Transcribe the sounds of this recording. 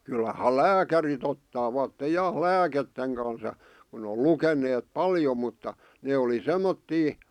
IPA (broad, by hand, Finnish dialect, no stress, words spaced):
kylːɑhɑ læːkærit otːɑːʋɑtːe jɑ læːketːeŋ kɑns j̆ɑ̆ kun o lukenˑeːt pɑljo mutːɑ neː oli semːotːiː